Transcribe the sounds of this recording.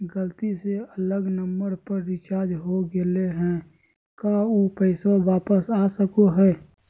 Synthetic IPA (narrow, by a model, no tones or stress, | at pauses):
ɡəlt̪iseələɡnəmbəɾpəɾːɪt͡ʃaːɾd͡ʒɦoɡɪleɦɛ̃ | kaːupɛɪsõʋaːpəsaːsəkoɦɛː